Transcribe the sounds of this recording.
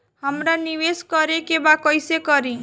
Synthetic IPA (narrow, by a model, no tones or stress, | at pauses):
həmɾaniʋeskɔɾekebakɔjsekɔɾĩ